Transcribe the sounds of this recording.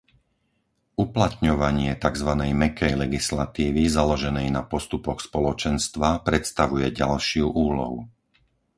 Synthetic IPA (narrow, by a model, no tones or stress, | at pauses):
uplat̪ɲɔʋaɲɪɛt̪aɡzʋanɛjmɛkɛjlɛɡislat̪iːʋizalɔʒɛnɛjnapɔst̪upɔxspɔlɔt͡ʃɛnst̪ʋapɾɛt̪st̪aʋujɛɟalʃɪuʔuːlɔ̰ɦṵ